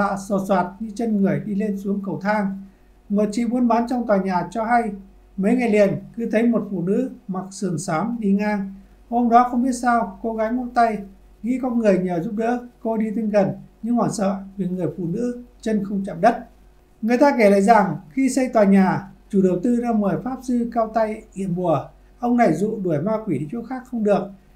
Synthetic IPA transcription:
a̰ː˧˨sɔ˨˩swaː˨˩t̚ɲɨ˧t͡ɕə˧nŋɨ˨˩əjɗi˧le˧nsu˨˦əŋkə˨˩wt̪ʰaː˧ŋ | mo˨˩t̚t͡ɕḭ˧˨ɓu˧ənɓaː˨˦nt͡ɕɔ˧wŋ͡mt̪waː˨˩jɲaː˨˩t͡ɕɔ˧ɦa˧j | mə˨˦jŋa˨˩jlḭ˨˩ənkɨ˨˦t̪ʰə˨˦jmo˨˩t̚fṵ˧˨nɨ̰˧˥ma˨˩k̚sɨ˧˩əŋsaː˨˦mɗi˧ŋaː˧ŋ | ho˧ŋ͡mɗɔ˨˦xə˧wŋ͡mɓi˦˥ət̚saː˧wko˨˦ɣaː˨˦jm˧nt̪a˧j | ɣḭ˧˥kɔ˧nŋɨ˨˩əjɲəː˧˩zu˦˥p̚ɗə̰ː˧˥ko˧ɗi˧t̪i˧ŋɣə˨˩nɲɨ˧ŋhɔː˧˩nsə̰ː˧˨vi˨˩ŋɨ˨˩əjfṵ˧˨nɨ̰˧˥t͡ɕə˧nxə˧wŋ͡mt͡ɕa̰˧˨mɗə˦˥t̚ | ŋɨ˨˩əjt̪aː˧ke˧˩la̰ː˧˨jza˨˩ŋxi˧sə˧jt̪waː˨˩ɲaː˨˩t͡ɕu˧˩ɗə˨˩wt̪ɨ˧zaː˧məː˨˩jfaː˦˥p̚zɨ˧kaː˧wt̪a˧jʔḭ˧˨ənɓu˨˩ə | ʔə˧wŋ͡mna˨˩jzṵ˧˨ɗu˧˩əjmaː˧kwi˧˩ɗi˧˨˦t͡ɕo˨˦˥xaː˦˥k̚xə˧wŋ͡mɗɨ˨˩ək̚

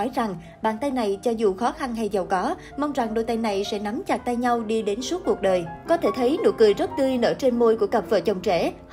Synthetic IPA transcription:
ɔ˨˦jza˨˩ŋ | ɓa̰ː˧˨nt̪a˧jna˨˩jt͡ɕɔ˧zu˨˩xɔ˨˦xa˧nɦa˧jzə˨˩wkɔ˨˦ | ma˧wŋ͡mza˨˩ŋɗo˧˩jt̪a˧jna˨˩jsɛ̰˧˥na˨˦mt͡ɕaː˨˩k̚t̪a˧jɲa˧wɗi˧ɗe˨˦nsu˦˥k̚ku˨˩ək̚ɗəː˨˩jkɔ˨˦t̪ʰe˧˩t̪ʰə˨˦jno̰˧˩əkɨ˨˩jzə˦˥t̚t̪ɨ˧əjnə̰ː˧˩t͡ɕe˧nmo˧jku˧˩əkə˨˩p̚vəː˨˩t͡ɕə˨˩wŋ͡mt͡ɕɛ̰˧˩

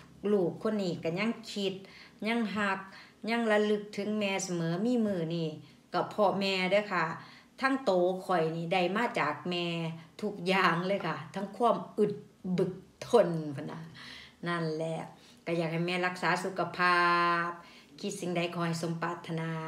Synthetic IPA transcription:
luː˧˩kʰːo˧˥˨nːiː˧˩˨ka˧˩ɲa˧˥˨ŋkʰi˧t̪̚ɲa˧˥˨ŋɦa˧k̚ɲa˧˥˨ŋla˧lɯ˧˩k̚t̪ʰɯ˨˦ŋmɛː˧sa˧mɤː˨˦miː˧˥˨mɯː˧˩niː˧˩˨ | ka˧˩pʰɔ˧mɛː˧dɯː˧˦˨kʰa˧˩ | t̪ʰaː˧˥˨ŋt̪oː˨kʰɔ˨˩jniː˧˩da˧˩jmaː˧˥˨t͡ɕaː˨˩k̚mɛː˧t̪ʰu˧˩k̚jaː˧˩ŋlɤː˧˨jkʰa˧˩t̪ʰa˧˥ŋkʰu˧˥ə˨mʔɯ˧˩t̪̚ | bɯ˨˧˩k̚t̪ʰːo˧˩˨npʰa˧˩na˧na˧˩nlɛ˧ʔ | ka˧˩jaː˨˩k̚ha˨˩jmɛː˧˥˨la˧k̚saː˨˦su˧˦kʰːa˧pʰaː˧˩p̚ | kʰi˧˦t̪̚si˧ŋda˧˩jkʰɔː˧˩ha˧˩jso˨˦mpaː˧˩t̪ʰːa˧naː˧

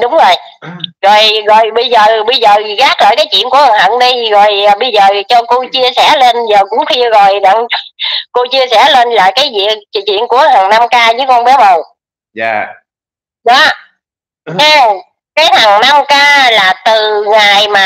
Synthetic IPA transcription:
ɗʊ˨˦wŋ͡mzo˨˩j | ɣɔ˨˩jɣɔ̰˨jɓə˧jzəː˨˩ɓə˧jzəː˨˩ɣaː˦˥k̚la̰ː˧˨jkaː˨˦jt͡ɕwḭ˧˨nku˧˩əʔə˨˩ŋɦə̰˧˨nɗi˧ɣɔ̰˨˩jɓə˧jzəː˨˩t͡ɕɔ˧ko˧t͡ɕi˧əsɛ˧˩le˧nzəː˨˩kʊ̰˧˥ŋ͡mxʰi˧əɣo˨˩jɗə̰˧˨ŋko˧t͡ɕi˧əsɛ˧˩le˧nla̰ː˧˨˩jkaː˨˦jzḭ˧˨əkt͡ɕḭ˧˨ənku˧˩əhaː˨˩ŋna˧mkaː˧zɨ˨˦kɔ˧nɓɛ˨˦˥mə˨˩w | ɗɔ˨˦ | a˧ | kaː˨˦jha˨˩ŋna˧mkaː˧laː˨˩t̪ɨ˨˩ŋaː˨˩jmaː˨˩

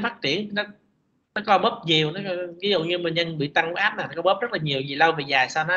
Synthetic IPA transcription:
faː˦˥t̚t͡ɕi˧˨ən˨˩nɔ˨˦ | nɔ˨˦kɔ˨˦ɓəː˦˥p̚ɲi˨˩əwnɔ˨˦˧vi˨˦zʊ̰˧˨ɲɨ˧mi˨˩nɲə˧nɓḭ˧˨t̪a˧ŋ˦ʔaː˦˥p̚naː˨˩nɔ˦kɔ˨˦ɓə˦˥p̚zə˦˥laː˨˩ɲi˨˩əwzi˨˩lə˧wveː˨˩zaː˨˩jsaː˧wnɔ˨˦

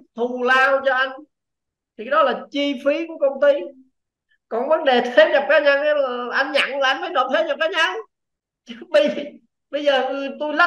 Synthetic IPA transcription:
t̪ʰu˨˩laː˧wt͡ɕɔ˧ʔa˧jŋ̟ | t̪ʰi˨˩ka˨˦ɗɔ˨˦laː˨˩t͡ɕi˧fi˨˦ku˧˩əkə˧wŋ͡mt̪i˧ | kɔ˨˩nvə˨˦nɗe˨˩t̪ʰe˨˦ɲa˨˩p̚kaː˨˦ɲa˧ŋʔə˨˦lʔa˧jŋɲa̰˧˩ŋvaː˧˨˩ʔa˧nməː˨˦jɗo˨˩t̪ʰe˨˦ɲa˨˩p̚kaː˨˦ɲa˧ŋ | t͡ɕɓə˧jvi˨˩ | ɓə˧jzəː˨˩˨t̪u˧jlə˦˥

